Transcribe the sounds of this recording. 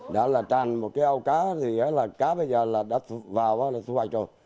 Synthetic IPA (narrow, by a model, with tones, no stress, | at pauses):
ɗa̰˧˦˥laː˨˩t͡ɕaː˨˩nmo˨˩t̚kaː˨˦ʔa˧wkaː˨˦t̪i˨˩a˨˦laː˨˩kaː˨˦ɓə˧jzəː˨˩laː˨˩ɗa̰ː˧˥t̪ʰu˧˩vaː˨˩wʔaː˦laː˨˩t̪ʰu˧ha˨˩k̟zo˨˩j